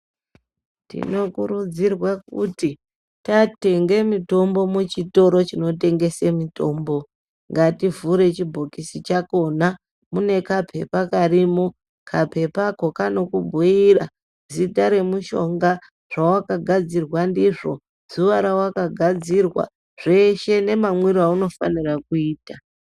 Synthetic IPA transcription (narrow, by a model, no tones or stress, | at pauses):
tḭno̞kuɾud͡zirwakuti | tate̞ŋɡe̞mito̞mbo̞mut͡ʃito̞ɾo̞t͡ʃino̞te̞ŋɡe̞semito̞ːmbo̞ | ŋɡativuɾe̞t͡ʃibʱokisit͡ʃako̞na | mune̞kapʰe̞pakarimo | kʰapʰe̞pakokano̞kubʱuira | zitaɾe̞muʃo̞ŋɡa | ʐ̥awakaɡʱad͡zirwandiʐo̞ | z̥uʋaɾawakaɡʱad͡zirwa̰ | ʐe̞ʃe̞ne̞mamwiɾauno̞fa̰nirakuiːta